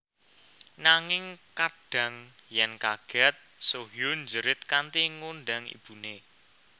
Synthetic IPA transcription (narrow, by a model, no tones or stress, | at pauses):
naŋɪŋkaɖ̥ä̤ŋjɛnkaɡ̥ɛ̤t̪̚soɦjʊnd͡ʒəɾɪt̪̚kant̪iŋonɖaŋḭb̥ṳne